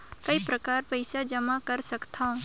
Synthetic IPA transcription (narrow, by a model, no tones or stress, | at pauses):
kɐipɾɐkaːɾpɐɪsad͡ʒɐmakɐɾsɐkt̪ʰaũ